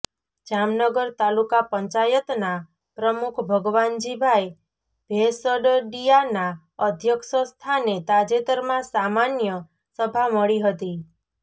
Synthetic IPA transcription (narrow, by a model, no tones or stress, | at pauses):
d͡ʒamnəɡəɾt̪alukapəɲt͡ʃajət̪na | pɾəmukʰbʱəɡʋand͡ʒibʱaj | b̥ʱesəɖɖijana | əd̪ʱjəkʃəst̪ʰanet̪ad͡ʒet̪əɾmãsamanjə | səbʱaməɭiɦət̪i